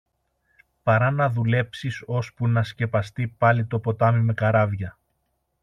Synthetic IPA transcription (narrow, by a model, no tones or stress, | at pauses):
pɐɾɐnɐðule̞psiso̞spunɐsce̞pɐst̪ipɐlit̪o̞po̞t̪ɐmime̞kɐɾɐvʝɐ